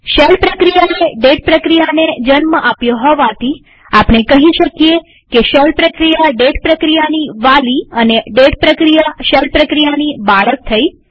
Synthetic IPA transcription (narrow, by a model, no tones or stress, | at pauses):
ʃəlpɾəkɾijaneɖeʈ̚pɾəkɾijaned͡ʒənməʔapjõɦɔʋat̪ʰi | apɳ̃ekəɦiʃəkije | keʃəlpɾəkɾijaɖeʈpɾəkɾijaniʋaliəneɖeʈpɾəkɾijaʃəlpɾəkɾijanibaɭək̚t̪ʰəi